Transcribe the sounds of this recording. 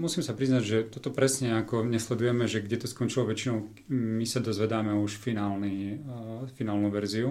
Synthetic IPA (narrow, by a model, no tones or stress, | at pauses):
musiːmsapɾiznaɟʒɛt̪ɔt̪ɔpɾɛsɲɛakɔɲɛslɛd̪ujɛmɛʒɛɡɟɛt̪ɔskɔnt͡ʃilɔʋɛt͡ʃinɔʊ | misad̪ɔzʋɛd̪aːmɛuʃfinaːlni | finaːlnuʋɛɾziu